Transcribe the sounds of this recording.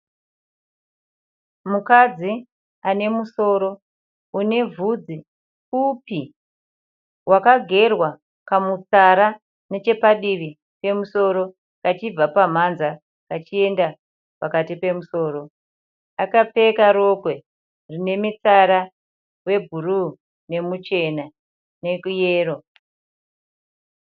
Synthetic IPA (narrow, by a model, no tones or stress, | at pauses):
mukad͡zi | ane̞muso̞ːɾo̞ | une̞vʱud͡zi | kupi | wakaɡʱe̞rwa | kamut͡saɾa | ne̞t͡ʃe̞paɗiʋi | pe̞muso̞ɾo̞ | kat͡ʃib͡vapam̤anza | kat͡ʃie̞nda | pakatipe̞muso̞ːɾo̞ | akap͡fe̞kaɾo̞kwe̞ | rine̞mit͡saɾa | we̞bʱuru | ne̞mut͡ʃe̞na | ne̞kuje̞ːro̞